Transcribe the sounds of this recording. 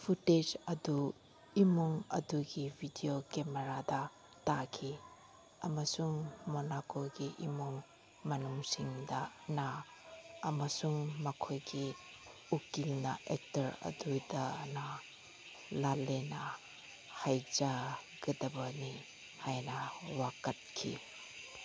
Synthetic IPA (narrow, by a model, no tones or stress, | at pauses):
pʰuted͡ʒɐdu | imuŋɐduɡibʱidiokemeɾada | takʰi | ɐmasuŋmonakoɡiʔimuŋ | mɐnuŋsiŋdɐnaː | mɐsuŋmɐkʰojɡi | ukilnɐ̰ʔek̚tɐɾɐ̰dudɐna | lalenɐ | hajza | ɡɐdɐbɐni | hajnɐwakɐt̚kʰḭ